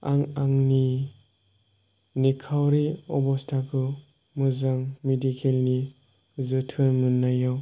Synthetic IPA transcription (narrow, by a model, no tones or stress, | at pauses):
aŋaŋni | nikʰawɾiɔbɔstʰakʰɯ | mɯzaŋmedikʰelni | zɯtʰɯɾmɯnːajaw